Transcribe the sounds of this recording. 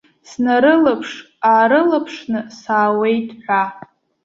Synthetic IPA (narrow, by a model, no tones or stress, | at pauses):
snaɾɨlapʰʂ | aːɾɨlapʰʂnɨsaːwe̞jtʰʼħʷᶣa